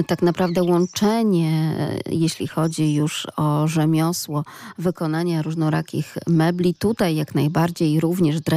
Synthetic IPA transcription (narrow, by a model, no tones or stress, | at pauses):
t̪aknapɾavd̪ɛwɔnt͡ʂɛɲɛjeɕlʲḭxɔd͡ʑijuʂɔʐɛmʲjɔswɔvɘkɔnaɲaɾuʐnɔɾa̰kʲḭxmɛblʲit̪ut̪ajːaknajbaɾd͡ʑejɾuvɲɛʐd̪ɾɛ